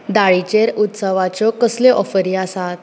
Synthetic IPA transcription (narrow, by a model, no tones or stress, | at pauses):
d̪aɭit͡ɕeɾut̪səʋat͡ɕɔkəsleʔɔfəɾiasat̪̚